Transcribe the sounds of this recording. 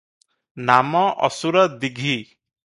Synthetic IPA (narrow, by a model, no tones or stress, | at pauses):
namɔʔɔ̰suɾɔd̪iɡʱi